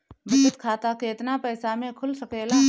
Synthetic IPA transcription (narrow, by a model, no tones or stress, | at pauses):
ʋɪsət̪kʰaːt̪akeːɪt̪napəːsamẽkʰʊlsɐkeːla